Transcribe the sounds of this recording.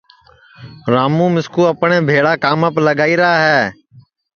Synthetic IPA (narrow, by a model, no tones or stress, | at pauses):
ɾaːmũːmɪskuːəpɳeːbʱeːɽaːkaːməpləɠaːiːɾəaːɦɛː